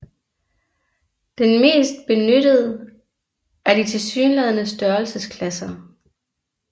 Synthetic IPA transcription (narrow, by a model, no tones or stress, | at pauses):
d̥enme̝̰ːsd̥̚b̥e̝nødəð̩ˠə | æɐdit͡sʰe̝lsyːnlɛðˠnəsd̥ɶɐlsəskʰlæsɐ